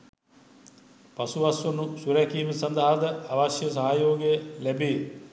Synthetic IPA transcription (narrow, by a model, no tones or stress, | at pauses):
pasuʋasʋunusuɾɛkiːməsɐnd̪aɦad̪əaʋasjəs̬aɦajoːɡejəlæbeː